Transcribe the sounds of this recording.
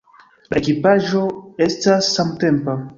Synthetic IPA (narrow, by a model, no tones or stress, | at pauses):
la̰ekipaʒo̞e̞stasːamte̞mpa